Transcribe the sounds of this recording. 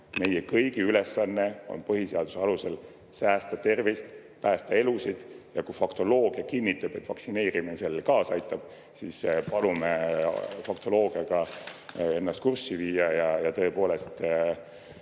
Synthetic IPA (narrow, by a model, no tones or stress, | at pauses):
me̞jekɤjɡ̥iyle̞sːɑnːe̞o̞̰npɤɦise̞ɑd̪useɑluse̞l | sæːst̪ɑt̪e̞rvist̪ | pæːst̪ɑe̞lusid̪̥jɑkujfɑkt̪o̞lo̞ːɡ̥iɑkinʲːit̪ːˑɑb̥et̪ːˑvɑksine̞ːɾiminse̞lːkɑːsɑjt̪ːˑɑb̥ | sispɑnumefɑkt̪o̞lo̞ːɡ̥iɑɡ̥ɑ | e̞nːɑst̪̚kursːiviːɑjɑjɑt̪ɤ̞epoːle̞st̪